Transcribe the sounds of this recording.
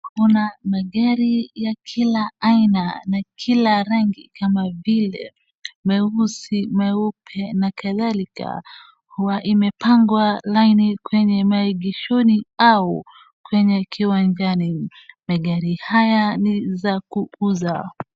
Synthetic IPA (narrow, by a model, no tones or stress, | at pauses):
kunamaɠaɾijakʰilaainanakʰilaɾaŋɡikamavilɛ̰ | mɛusimaupʰɛnakaðalika̰ | huwaʔimɛpaŋɡwalainikwɛɲɛmaiɠiʃɔniau | kwɛɲɛkʰiwand͡ʒani | maɠaɾihajanizakuuza